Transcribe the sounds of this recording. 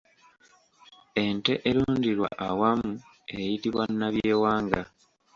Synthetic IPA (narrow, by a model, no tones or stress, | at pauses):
ente̞ʔeluːndiɾwa̰ʔawamu | ejitiβwanːaβje̞ːwaːŋɡa